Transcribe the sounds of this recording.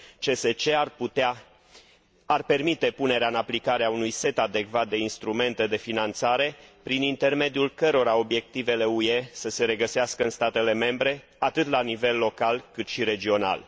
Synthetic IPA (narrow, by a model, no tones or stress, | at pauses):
t͡ʃe̞set͡ʃe̞a | arpe̞rmit̪e̞pune̞ɾeaɨnaplikaɾeaunujse̞t̪ad̪e̞kvat̪̚d̪e̞inst̪ɾume̞nt̪e̞d̪e̞finant̪saɾe̞pɾinint̪e̞rme̞d̪iulkəɾo̞ɾao̞bje̞k̚t̪ive̞le̞ue̞səse̞ɾe̞ɡəseaskəɨnst̪at̪e̞le̞me̞mbɾe̞ | at̪ɨt̪lanive̞lːo̞kalkɨt̪ʃiɾe̞d͡ʒio̞na̰l